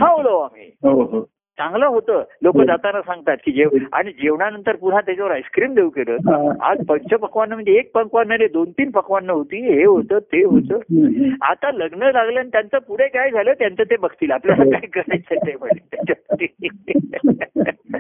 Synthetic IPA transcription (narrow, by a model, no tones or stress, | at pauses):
ɦãɦoləʋamḭɦoɦo | t͡sãŋɡləɦot̪əːlokəd͡zat̪anasãŋɡt̪at̪̚kiːd͡ʑeʋa̰ɽ̃id͡ʑeʋɳanənt̪əɾpuɽ̤at̪̬jat͡ɕaʋəɾajskɾiːmd̪eukeɾə̰ːt̪a̰d͡zpət͡ɕəpəkʋanːəːm̤əɳd͡zeːk̚pəŋkʋanːəned̪ont̪iːnpəkʋanːəɦot̪iːɦeɦot̪əːt̪eɦot̪əːa̰t̪aləɡnəlaɡləanit̪jant͡səːpuɽ̤ekajd͡zʱaləːt̪jant͡səːt̪ebəɡʰʱt̪iːlapljasakaikəɾajt͡sʰət̪eməlet̪jat͡ɕabət̪i